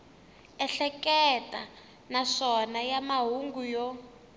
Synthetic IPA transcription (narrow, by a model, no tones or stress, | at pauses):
ɛɬɛkɛtʼa̰ | naʂɔnajamaɦuŋɡujɔ